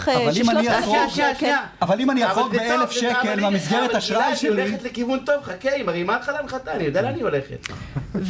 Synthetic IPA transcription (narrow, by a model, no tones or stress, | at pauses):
avalimaniaaʃaaavalimaniasotbeelefʃekelmamisɡeʁet̪haʃʁajʃeleitlekivunt̪o̞vχakeimaʁejmalχalanχat̪anijod̪ealanio̞leχḛt̪